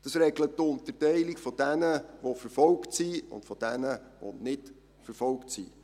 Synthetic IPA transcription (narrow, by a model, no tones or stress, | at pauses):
d̥ɑsɾɛɡ̥lətːʊnt̪ərtɛɪlikfɔd̥ænəʋofəɾfɔlktsiʊ̰nd̥fɔd̥ænəʋo̰nɪt | fəɾfɔlktsḭ